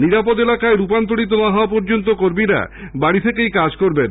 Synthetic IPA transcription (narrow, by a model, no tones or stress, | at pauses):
niɾapod̪elakaeɾupant̪oɽit̪onaɦɔapɔɾd͡ʑont̪̬okoɾmiɾa̰ | baɽit̪ʰekejkad͡ʑkoɾben